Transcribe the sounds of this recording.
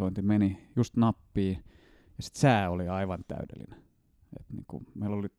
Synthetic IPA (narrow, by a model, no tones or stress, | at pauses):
oint̪imenijust̪nɑpːiː | jɑsi̥t̪sæːoliɑiʋɑnt̪æ̰ydḛlːḭne | ḛt̪nḭːŋkṵmeiloli